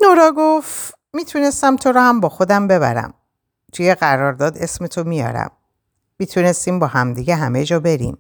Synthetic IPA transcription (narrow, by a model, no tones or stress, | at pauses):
noɾɒːɡoft | miːt̪ʰune̞st̪æmt̪ʰo̞ɾɔːhæmbɒːxo̞d̪æmbe̞βæ̰ɾæ̰m | t̪ʰuje̞ɣæɾɒːɾd̪ɒːd̪e̞sme̞t̪ʰomijɒ̰ːɾæ̰mː | iːt̪ʰune̞st̪iːmbɒːhæmd̪iːɟeɦæmejd͡ʒɒːbe̞ɾḭːm